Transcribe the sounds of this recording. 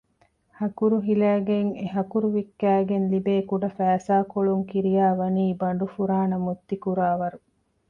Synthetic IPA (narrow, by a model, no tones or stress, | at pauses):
hɐkuɾuɦilæːɡeŋeɦɐkuɾuʋikːæːɡenlibeːkuɖɐfæːsaːkoɭuŋkiɾijaːʋɐniːbɐɳ̆ɖufuɾaːnɐmut̪ːikuɾaːʋɐɾu